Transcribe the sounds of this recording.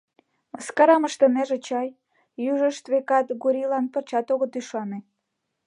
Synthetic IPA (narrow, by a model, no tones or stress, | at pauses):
məskɑɾɑməʃt̪ə̆meʒet͡ɕɑjː | yʒəʃt̪βekɑt̪ɡuɾʲilɑnpərt͡ɕɑt̪oɣət̪yʃɑne